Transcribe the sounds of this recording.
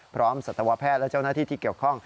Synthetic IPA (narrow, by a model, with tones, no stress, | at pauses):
pʰɾɔː˦˥msa˨˩t̪ʰːa˧wa˦˥pʰɛː˥˩t̪̚lɛ˦˥˩t͡ɕa˥˩wnaː˥˩t̪ʰiː˥˩iː˥˩ki˨˩əwkʰɔ˥˩ŋ